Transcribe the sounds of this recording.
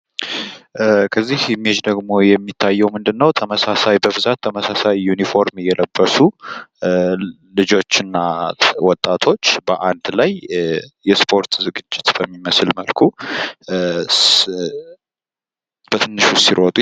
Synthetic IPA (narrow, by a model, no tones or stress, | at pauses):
kʰəzːihmed͡ʒd̪əɡmo̞jɛmːit̪ʰːajːɛwmɨnd̪ɨnːəwt̪ʰəməsasajbəβɨzat̪ʰːəməsasajːunifo̞ɾmjɛləbːəsu | lɨd͡ʒo̞t͡ʃːɨnːawɔt̪ʼːat̪ʰo̞t͡ʃːbəʔand̪lajjɛspʰo̞ɾt̪zɨɡɨd͡ʒːɪt̪b̥əmːiməslməlkʰu | b̥ət̪ʰɨnːɨʃusiɾot̪ʼu